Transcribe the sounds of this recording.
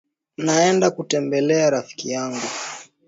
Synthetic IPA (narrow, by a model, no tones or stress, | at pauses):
naɛndakutɛmbɛlɛaɾafi̥kijaŋɡu